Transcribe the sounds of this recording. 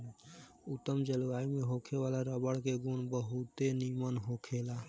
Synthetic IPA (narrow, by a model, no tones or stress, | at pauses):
ut̪ːəmd͡ʒəlaimeɦokʰeʋalaɾəbəɽkeɡunbəɦut̪enimənɦokʰela